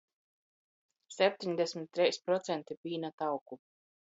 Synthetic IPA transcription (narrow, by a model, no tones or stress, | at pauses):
sʲɛp̚ʲt̪ʲiɲd̪ɛsʲmʲit̪ʲːɾɛjspɾɔt̪sɛnt̪ipʲiːnat̪awku